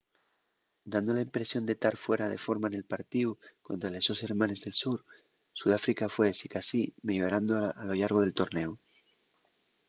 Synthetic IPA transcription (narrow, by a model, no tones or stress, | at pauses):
d̪and̪o̞laimpɾe̞sjo̞nd̪et̪aɾfwe̞ɾaðe̞fo̞ɾmaene̞lpaɾt̪iukont̪ɾale̞zðo̞se̞ɾmãne̞zðe̞lsuɾ | suð̞afɾikafwesikasimejoɾand̪oalo̞ʎaɾɣo̞ð̞elt̪o̞ɾne̞u